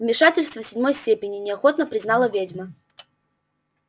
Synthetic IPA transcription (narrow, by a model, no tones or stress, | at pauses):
vmʲɪʂatʲɪlʲst̪vəsʲɪdʲmo̞jsʲtʲepʲɪnʲɪnʲɪɐxot̪nəpɾʲɪznalˠəvʲedʲmə